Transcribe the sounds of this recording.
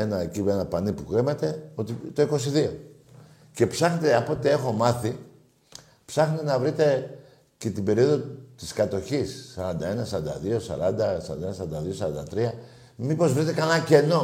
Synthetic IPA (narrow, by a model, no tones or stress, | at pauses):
enɐcienɐpɐnipukɾimet̪e̞o̞t̪it̪o̞iko̞siðio̞ | ce̞psɐxnet̪eɐpo̞t̪ie̞xo̞mɐθi | psɐxnet̪enɐvɾit̪e̞ | ce̞t̪ibe̞ɾio̞ðo̞t̪i̥skɐt̪o̞çisːɐɾɐnd̪ɐe̞nɐsɐɾɐnd̪ɐ̰ðio̞sɐ̰ɾɐnd̪ɐsɐɾɐ̰nenɐs̬ɐɾɐnd̪ɐðio̞sɐɾɐnd̪ɐt̪ɾiɐ | mipo̞zvɾit̪e̞kɐnɐce̞no̞